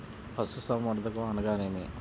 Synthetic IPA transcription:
pʰɐsusɐmɐɾd̪ɐkoɐnɐɡaːneːmi

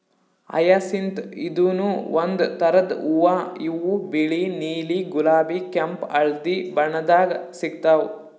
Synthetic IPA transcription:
ɐ̰jaːsint̪id̪uːnuʋond̪t̪ɐɾɐd̪uʋaiʋubiɭiniːliɡulaːbikɐmpɐɭd̪ibɐɳɐd̪aːɡɐsiɡ̚t̪aːw

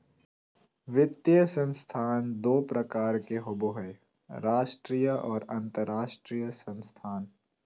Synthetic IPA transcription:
ʋɪt̪ːjəsə̃nst̪ʰaːnd̪oːpɾəkaːɾkeɦoboɦe | ɾaːʃʈɾijəɔːɾɐ̃nt̪əɾːaːʃʈɾiːjəsə̃nst̪ʰaːn

